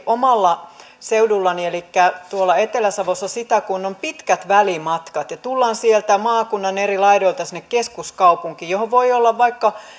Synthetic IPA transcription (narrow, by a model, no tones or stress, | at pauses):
ʔomɑlːɑ | seudulːɑnielikːæt̪uolːˑɑet̪elæsɑʋosːɑsit̪ækunːompit̪kæt̪ʋælimɑt̪kɑt̪jɑt̪ulːɑːnsielt̪æmɑːkunːɑnerilɑiɾoilt̪ɑsinːekkeskuskɑupuŋkiːjohoʋʋoiolːɑʋʋɑikːɑ